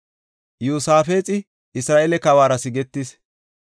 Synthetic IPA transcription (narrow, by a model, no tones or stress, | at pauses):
juːsaːfe̞ːt͡sʼɪ | ɪsɾaːʔɛlɛkɐwaːɾɐsɪɡɛt̪ːɪs